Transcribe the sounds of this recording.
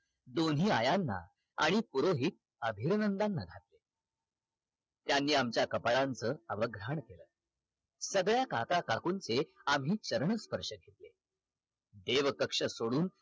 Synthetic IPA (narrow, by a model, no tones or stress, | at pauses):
d̪onɦiːajanːa̰ | a̰ɽ̃ipuɾoɦiːt̪̚ | əbʱiɾnənd̪anːaɡʱat̪le | t̪janːiːamt͡ɕjakəpaɭant͡səːəʋəɡɾaɳkeləː | səɡɭjakakakakunt͡seamɦiːt͡ɕəɾəɳəspəɾʂəɡʱet̪le | d̪eʋkəkʂəsoɽuːn